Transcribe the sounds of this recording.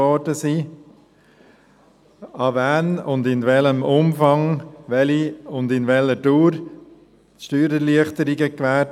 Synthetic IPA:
ɔɾdəsiː | ɑvænʊndɪnʋɛləmʊmfɑŋʋɛliʊndɪnʋɛləduːɾ | ʃtyːɾəliəχtəɾiɡəkʋæːɾ

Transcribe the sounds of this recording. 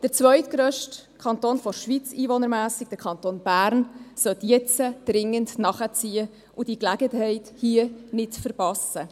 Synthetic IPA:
d̥əɾt͡svœʏtɡ̥ɾœʃtkʰɑnt̪oːnfɔɾʃʋit͡siːʋonəɾmæːsɪɡ̥̚d̥əɾkʰɑnt̪oːnb̥æːɾnsœtjɛt͡səd̥ɾɪŋəndnɑχət͡siːə | ʔʊd̥iklæɡəthɛɪthiənɪtfəɾpɑsə

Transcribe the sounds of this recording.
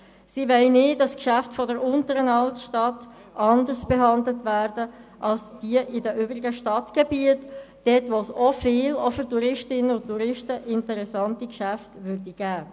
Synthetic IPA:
siʋɛɪnɪːdɑskʃæftfɔdəɾʊntəɾənɑltʃtɑt | ɑndəsb̥eɦɑndlətʋæːɾdəʔɑlsd̥iəʔɪdəʔʏːbʁɪɡəʃtɑtɡ̥ebiətd̥ɛtʋosofɪːlofʏɾtuɾɪʃtɪnənʊntːuɾɪʃtəʔɪntəɾɛsɑntikʃæftʋʏɾdiɡ̥æː

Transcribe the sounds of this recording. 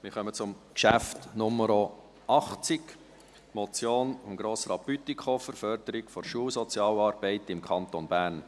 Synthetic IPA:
mɪɾχœmət͡sʊm | kʃæftnʊməɾo | ɑχt͡sɪk | mɔt͡sjoːnʊŋɡ̥ɾoːsɾɑpytikʰχofəɾfœɾd̥əɾɪkfɔɾʃuːsɔt͡sjɑːlɑːɾb̥ɛɪtɪmkʰɑnt̪onbæːɾn

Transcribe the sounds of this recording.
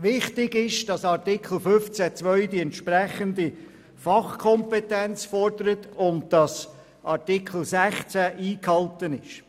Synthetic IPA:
ʋɪχtɪɡɪʃd̥ɑsɑrtɪkʰl̩fʏft͡sæt͡sʋœʏdiɛntʃprɛχəndi | fɑχkʰɔmpɛtɛnt͡sfɔrdəɾətʊndd̥ɑs | ʔɑɾtɪkʰl̩sæχt͡sæʔiːkhɑltənɪʃ

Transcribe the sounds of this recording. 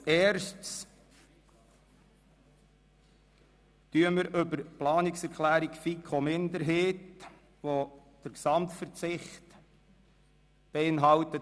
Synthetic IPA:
ɛːɾʃts | tyəməɾʔʏbəɾplɑːniksɛɾkʰlæːɾikfikʰχomɪnd̪əɾɦeːt | ʋo | d̥əɾksɑmtfəɾt͡sɪχt | b̥eɪnɦɑwt̪ə

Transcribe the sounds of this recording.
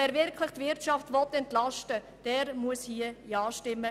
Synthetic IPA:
ɛːɾvɪɾkʰlɪχtvɪɾtt͡ʃɑftʋɔt̪ːɛntlɑʃtə | d̥ɛːɾmuəshiəjɑːʃtɪmːə

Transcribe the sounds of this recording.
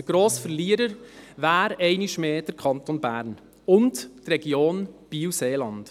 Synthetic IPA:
əɡ̥ɾoːsfəɾliəɾəɾvæːɾɛɪniʃmeːd̥əɾkʰɑnt̪onbæːɾn | ʊnttrɛɡ̥joːnb̥iːwseːlɑnt

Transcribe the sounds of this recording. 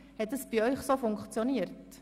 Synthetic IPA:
hɛt̚dəsb̥iœʏχsoːfʊŋkχt͡sjoniərt

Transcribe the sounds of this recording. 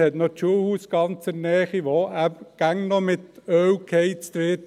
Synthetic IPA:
hɛt̪not͡ʃuəhuːsɡ̥ɑnt͡sɛɾnɛːχiʋoæbɡ̥æŋnɔmɪt̪œwkʰheɪt͡st̪ʋɪt

